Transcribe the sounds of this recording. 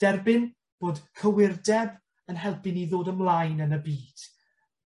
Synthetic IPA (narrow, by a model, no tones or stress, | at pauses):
d̥ɛrbɪn | b̥oːd̥kʰəwɪrdɛb | ənɦɛlˠpʰɪniðoːdəmlˠajnənəbiːd̥